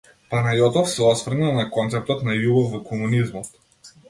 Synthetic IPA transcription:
panajɔt̪ɔfsɛɔsvrnalˠnakɔnt̪sɛp̚t̪ɔt̪najuɡɔfvɔkʰɔmunizmɔt̪

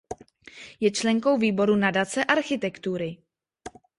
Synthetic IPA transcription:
jɛt͡ʃlɛŋko̞wviːbo̞ɾunadat͡sɛʔaɾxɪt̪ɛkt̪uɾɪ

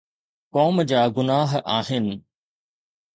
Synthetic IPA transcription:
kɔːmd͡ʑaːɡʊnaːɦaːɦɪnɪ̆

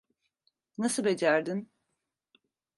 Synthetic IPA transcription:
nasɯbe̞d͡ʒæɾd̪in

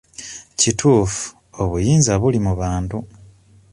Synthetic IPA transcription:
citʰuːfu̥ | oβujiːnzaβulimuβaːntu

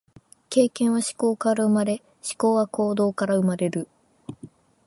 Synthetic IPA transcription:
ke̞ːkẽ̞ɰ̃βaɕi̥ko̞ːkaɾaɯ̟maɾe̞ | ɕi̥ko̞ːβako̞ːd̪o̞ːkaɾaɯmaɾe̞ɾɯ̟

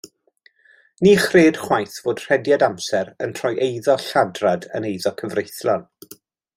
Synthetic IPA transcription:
niːχreːd̥χwajθv̥oːd̥r̥ɛdjadamsɛɾə̰ntʰrɔjʔejðɔɬadradə̰nejðɔkʰəvrejθlɔn

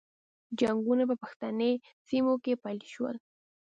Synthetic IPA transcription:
d͡ʒaŋɡunapəpaxt̪ane | simokepajlʃwə̰l

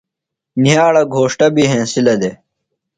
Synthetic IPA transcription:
nijaːɽɐɡʱoːʂʈɐbiɦẽːsilɐd̪eː

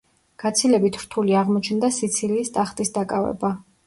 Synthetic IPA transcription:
ɡ̥at̪sʰilɛbit̪ʰɾt̪ʰuliaʁmɔt͡ʃʰnd̪asit̪sʰiliːst̪ʼaχt̪ʼisd̪akʼavɛ̰ba

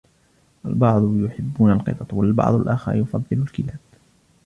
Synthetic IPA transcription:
ʔalbɑʕd̪ˤjʊħɪbːuːnalqɨ̰t̪ˤɑt̪ˤwalbɑ̰ʕd̪ˤalʔaxa̰ɾjʊfɑ̰d̪ˤːɨlʊlkɪlaːb̥

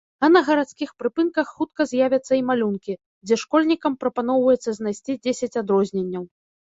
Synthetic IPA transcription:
ɐnɐɣɐɾat̪skʲixpɾɨpɨnkɐxːut̪̚kɐzʲjavʲɐt̪sːɐimalʲunkʲi | d͡zʲɛʂkɔlʲnʲikɐmpɾɐpanɔwvɐjɛt̪sːɐzʲnajsʲt͡sʲid͡zʲesʲɐt͡sʲad̪ɾɔzʲnʲenʲːɐw

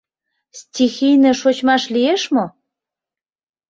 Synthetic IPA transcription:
stʲixijnə̆ʃot͡ɕmɑʃlijeʃmo

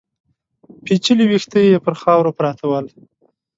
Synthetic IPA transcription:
pit͡ʃəliwixt̪əjepəɾxɑwɾopɾɑt̪ʰawəl

